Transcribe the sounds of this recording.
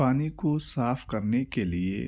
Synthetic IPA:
aːnikosaːfkɐɾnekeliḛ

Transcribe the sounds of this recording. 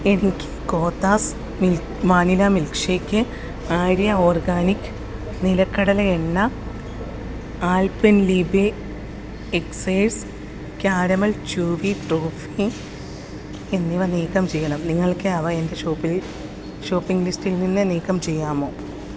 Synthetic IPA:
enkʲʰːi̥ko̞ːt̪ːaːs | mil | maːnilɐmilkʂeːkʲːɨ | aːɾjɐoːrɡaːnikʲːɨ̥ | nilɐkːɐɽɐlɐeɳːɐ | aːlpɐnlibe | eksɐjs | kaːɾɐmɐlt͡ɕuːʋiʈruːfi | enːiʋɐniːkːɐmt͡ɕe̞jːɐɳɐmniŋːɐɭkɨɐʋɐende̞ʂoːpːil | ʂoːpːiŋɡlistilninːɨniːkːɐmt͡ɕe̞jːaːmoː

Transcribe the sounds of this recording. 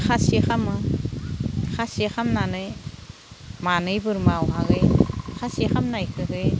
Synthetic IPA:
xʰasixʰamɯ | kʰasiexʰamnanɯj | manɯjbɯɾmawɦaɡɯjkʰasixʰamnajkʰɯɦɯj

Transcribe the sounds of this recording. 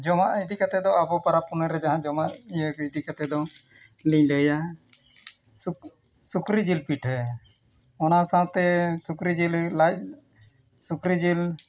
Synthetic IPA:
d͡ʒɔmaʔid̪ikat̪ɛd̪ɔabɔpaɾapunəɾɛd͡ʒaɦãd͡ʒɔmaʔijəkid̪ikat̪ɛd̪ɔ | liɲɖəja | sukɾid͡ʒilpiʈʰ | ɔnasãt̪ɛsukɾid͡ʒilla | sukɾid͡ʒil

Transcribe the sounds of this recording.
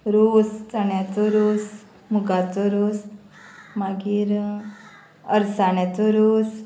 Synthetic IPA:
ɾost͡səɳjat͡soɾoːs | muɡat͡soɾos | maɡiːɾ | əɾsaɳjat͡soɾos

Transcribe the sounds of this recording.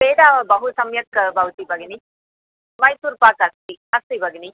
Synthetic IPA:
peːɖ̪aːbɐɦusɐmjɐkbɐʋt̪ibɐɡini | ʋɐjsuːɾpaːkɐst̪iɐst̪ibɐɡini

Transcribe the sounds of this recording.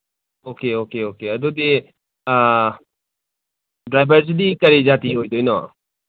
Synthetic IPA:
oːkeoːkeoːkead̪od̪e | a | d̪ɾajbaɾs̬ɨd̪ikaɾid͡ʒat̪ĩoit̪oinoa̰

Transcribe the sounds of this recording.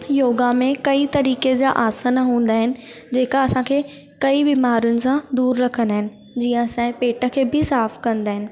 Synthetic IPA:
joːɡamẽkɐit̪ɐɾiːked͡ʑaːʔaːsənəɦũːn̆d̪aːɦɪnɪ̆d͡ʑeːkaɐsãkʰeː | kɐibiːmaːɾijʊnɪ̆sãd̪uːɾːɐkʰə̃nd̪aːɦɪnɪ̆ | d͡ʑiːə̃ɐsãːpeːʈʰə̆kʰeːbɪsaːfkɐ̃nd̪aːɦɪnɪ̆

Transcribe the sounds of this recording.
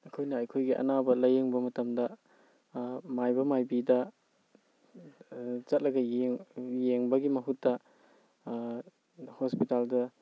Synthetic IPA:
ɐkʰojnɐɐjkʰojɡiʔɐ̰nabɐlɐjeŋbɐmɐtɐmdɐ | majbɐmajbidɐ | z̥ɐt̚lɐɡɐjeŋjeŋbɐɡimɐɦutːɐ | hospitaldɐ

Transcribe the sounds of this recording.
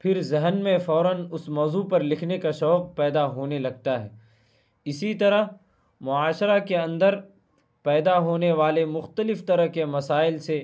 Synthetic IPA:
pʰɪɾzɛɦənmẽfɔːɾənʊsmɔːzupɐɾlɪkʰnekaʃɔːq̚pɛːd̪aɦoːnelɐɡ̚t̪aɦɛ̰ː | ɪsit̪ɐɾəɦ | mʊaːʃɾakeɐ̃nd̪əɾ | pɛːd̪aɦoːneʋaːlemʊxt̪əlɪft̪ɐɾəɦkemɐsaːɪlse

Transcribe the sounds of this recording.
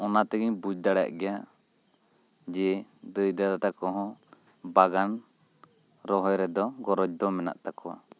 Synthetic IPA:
ɔnat̪ɛɡiɲbud͡ʒd̪aɽa̰ʔɡɛja | d͡ʒɛd̪əjd̪ad̪at̪akɔɦɔ̃ | baɡan | ɾɔɦɔjɾɛd̪ɔɡɔɾɔd͡ʒd̪ɔmɛna̰ʔt̪akɔwa̰

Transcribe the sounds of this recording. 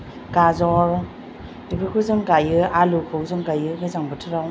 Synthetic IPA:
kazɔɾ | dipʰɯkʰɯzɯŋkajɯalukʰɯwzɯŋkajɯɡɯzaŋbɯtʰɯɾaw

